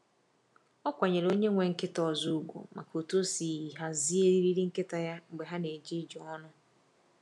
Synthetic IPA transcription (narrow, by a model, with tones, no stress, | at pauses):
ɔ˦kʷa˨ɲe˨ɾo˦ɲe˦ŋʷe˨ŋ̩˦˨kɪ˦tɔ˨zu˦u˦ɡʷo̰˨ma˨ko˨to˦si˨i˨ɦa˦zi˦e˦ɾi˦ɾi˦ɾi˦ŋ̩˦kɪ˦ta˨ja˦ŋ͡m̩˨ɡ͡be˨ɦa˦ne˨d͡ʒi˦d͡ʒɔ˨˦ɔ˦nʊ˦